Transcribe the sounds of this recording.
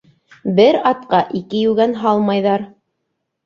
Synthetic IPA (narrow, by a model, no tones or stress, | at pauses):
bɘɾɑt̪̚qɑʔikɘjʉɡænɦɑlˠmɑjðɑɾ